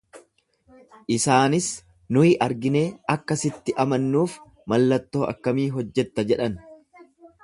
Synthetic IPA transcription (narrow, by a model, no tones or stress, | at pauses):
ʔɪsaːnɪs | nʊɪʔɐɾɡɪne̞ːɐkːɐsɪt̪ːɪʔɐmɐnːuːf | mɐlːɐt̪ːo̞ːʔɐ̰kːɐmiːɦɔd͡ʒːɛt̪ːɐd͡ʒɛᶑɐn